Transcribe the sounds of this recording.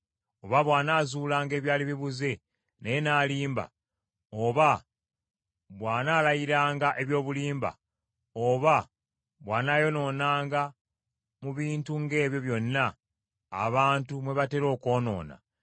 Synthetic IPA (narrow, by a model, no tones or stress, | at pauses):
oβaβwaːnaːzuːlaːŋɡe̞ːβjaːliβiβuze̞ | nejenaːliːmba̰ | oβa | βwaːnaːlajiɾaːŋɡaʔe̞βjo̞ːβuliːmba̰ | oβa | βwaːnaːjo̞no̞ːnaːŋɡa | muβiːntuŋɡe̞ːβjo̞βjo̞nːa̰ː | βaːntumwe̞βate̞ɾo̞ːko̞ːno̞̰ːna̰